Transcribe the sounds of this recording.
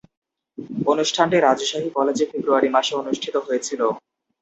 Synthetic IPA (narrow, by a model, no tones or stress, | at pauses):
onuʃʈʰaɳʈeɾad͡ʑoʃaɦikɔled͡ʑefebɾuaɾimaʃeonuʃʈʰit̪oɦojet͡ɕʰilo